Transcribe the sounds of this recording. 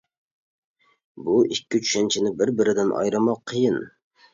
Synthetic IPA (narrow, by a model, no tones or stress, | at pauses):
buʔɪkʲːɪt͡ʃʰu̥ʃant͡ʃʰɪnɪbɪɾbɪɾɪd̪ɪnʔɒ̰jɾɨmɑqʰːɨjɪn